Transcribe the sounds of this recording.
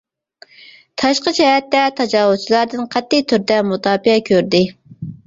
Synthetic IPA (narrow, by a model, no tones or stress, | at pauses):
t̪ʰɑʃqət͡ʃɛhɛt̪ːɛt̪ʰɑd͡ʒɑːwʊz̚t͡ʃʰilˠɑɾd̪ɨnqʰæt̪ːɪt̪ʰyɾd̪ɛmut̪ʰɑːpiɛkʲʰøɾd̪ɪ